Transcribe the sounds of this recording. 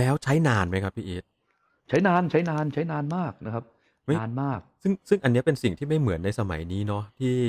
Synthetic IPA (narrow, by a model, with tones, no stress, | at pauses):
lɛː˦˥wt͡ɕʰa˦˥jnaː˧nma˦˥jkʰa˦˥pʰːiː˦˥ʔiː˦˥t̪̚ | t͡ɕʰa˦˥jnaː˧nt͡ɕʰa˦˥jnaː˧nt͡ɕʰa˦˥jnaː˧nmaː˥˩k̚na˦˥kʰa˦˥p̚ | ma˥˩jnmaː˥˩k̚sɯ˥˩ŋsɯ˥˩ŋʔa˧nːi˦˥ɐpe˧nsi˨˩ŋt̪ʰiː˥˩ma˥˩jmɯ˩˦ənːa˧jsa˧ma̰˩˦jniː˦˥nɔ˦˥t̪ʰiː˥˩